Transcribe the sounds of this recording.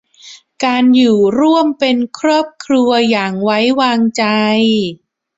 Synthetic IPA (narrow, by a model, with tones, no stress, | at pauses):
kaː˧njuː˨˩ɾu˥˩əmpe˧nkʰɾɔː˥˩p̚kʰɾu˧ɐjaː˨˩ŋwa˦˥jwaː˧ŋt͡ɕa˧j